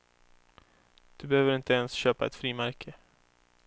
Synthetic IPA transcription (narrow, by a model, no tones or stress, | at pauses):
d̪̥ɵbɛhøːvəɾɪnt̪əɛnsɕøːpaɛ̰t̪fɾiːmæɾkʰə